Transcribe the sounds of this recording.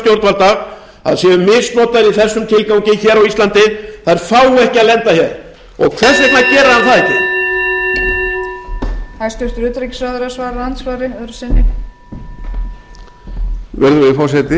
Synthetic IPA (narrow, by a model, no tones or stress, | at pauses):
t̪jowɾt̪valt̪aɣ | a̰ðsjɛʏmɪsnɔːt̪aðɾiθɛsːʏmt̪ʰɪlkawŋɲcɪçɛːɾawist̪lant̪ɪθaðɪɾfaːwɛhcɪaðlɛnt̪açɛðɾ | ɔ̰ɣkʰvɛr̥sɛt̪nacɛːɾahanθaðɛcɪ̰ | θast̪œr̥t̪ɾʏːt̪ɾejcsvaðɪɾasvaːɾant̪svaːɾɪœðɾsɛnːɪ | vɛɾðʏɪfɔsɛt̪ɪ